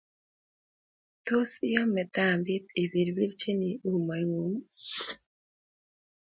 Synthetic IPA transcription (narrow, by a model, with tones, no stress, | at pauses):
t̪o˦si˦ja˦mɛ˨t̪a˦˨mbi˦t̪i˨bi˨ɾwi˦ɾt͡ʃe˦ni˨u˦ma˨ŋu˨ŋ